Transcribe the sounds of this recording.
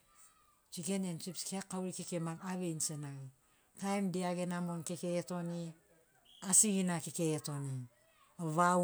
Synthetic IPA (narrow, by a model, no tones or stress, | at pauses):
d͡ʒiɡenent͡ʃipskeakːauɾikekemaŋaβeinsenaŋ | tajmdiaɡe̞namo̞nkekeːto̞ni | asiɡinakekeːto̞ni | aβa